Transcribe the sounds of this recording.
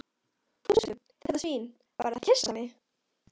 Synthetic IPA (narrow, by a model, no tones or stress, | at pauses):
θusʏθɛt̪asviːn | va̰jɾɪθḁcʰɪsamɪ